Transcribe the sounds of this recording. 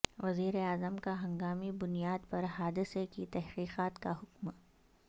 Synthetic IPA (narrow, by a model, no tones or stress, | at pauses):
ʋɐziːɾeaːzəmkaɦɐ̃ŋɡaːmibʊnijaːd̪pɐɾɦaːd̪ɪsekit̪ɛɦqiːqaːt̪kaɦʊkm